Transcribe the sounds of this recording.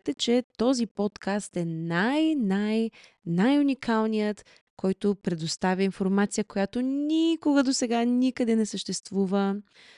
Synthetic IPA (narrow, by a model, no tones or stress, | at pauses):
t̪ɛt͡ʃɛt̪ɔzipɔt̪kast̪ɛnajnaj | najunikʰalˠnijət̪ | kɔjt̪opɾɛd̪ost̪avʲəinfoɾmat̪sijəkojat̪onʲikoɡəd̪osɛɡanikəd̪ɛnɛsəʃt̪ɛst̪vuvə